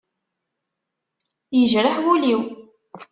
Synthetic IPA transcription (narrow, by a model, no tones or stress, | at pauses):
jəʒɾəħwuliw